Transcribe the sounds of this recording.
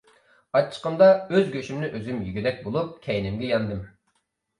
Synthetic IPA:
ɑt͡ʃʰːə̥qəmd̪ɑøzɡʲøʃymnɪʔøzymjyɡʲyd̪ɛk̚ʲbolˠup̚kʲʰɛjinɪmɡʲɛjɑnd̪ɨm

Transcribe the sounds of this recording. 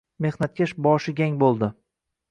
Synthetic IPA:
me̞hnat̪̚kʲaʃbɒʃɪɡʲaŋbolˠd̪ɪ

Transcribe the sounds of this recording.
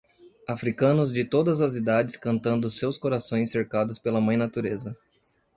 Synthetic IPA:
afɾikɐ̃nʊzd͡ʒɪt̪od̪ɐzɐzid̪ad͡ʒɪskɐ̃nt̪ɐ̃nd̪ʊsewskoɾasõj̃sːeɾkad̪ʊspelɐmɐ̃j̃nat̪uɾezɐ

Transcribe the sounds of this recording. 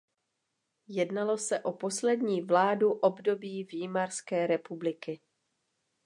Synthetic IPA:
jɛdnalo̞sɛʔo̞po̞slɛdɲiːvlaːduʔobdo̞biːviːmaɾskɛːɾɛpublɪkɪ

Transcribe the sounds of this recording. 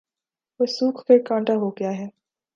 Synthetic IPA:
ʋesuːkʰpeɾkãːɳʈaɦoɡɪjaɦɛː

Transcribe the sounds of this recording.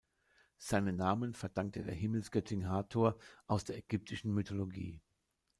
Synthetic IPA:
z̥aɪnənːaːmənfɛɐd̥aŋk̚tədḛːɐɦɪml̩sɡ̥œtʰɪŋɦaːtʰoːɐʔaʊsd̥eːɐɛɡ̥ʏp̚tʰɪʃn̩mytʰoloɡḭː

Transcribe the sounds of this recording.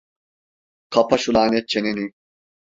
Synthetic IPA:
kʰapʰaʃulˠaːnɛt̪̚t͡ʃʰeneni

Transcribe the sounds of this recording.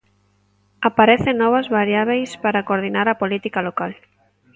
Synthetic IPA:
apaɾeθeŋnːɔβ̞ɐzβaɾjaβejspaɾakoɾð̞inaɾapolit̪ikalokal

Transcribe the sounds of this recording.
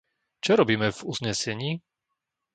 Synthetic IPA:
t͡ʃɔɾɔbiːmɛvuzɲɛsɛɲiː

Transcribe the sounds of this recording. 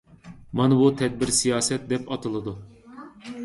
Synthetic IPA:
mɑnɨbut̪ʰɛd̪̚bɪɾsijɑːsɛt̪̚d̪ɛpɑt̪ʰɨlˠɨd̪u

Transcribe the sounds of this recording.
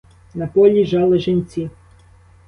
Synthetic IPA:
nɐpɔlʲiʒɑlˠɪʒenʲt͡sʲi

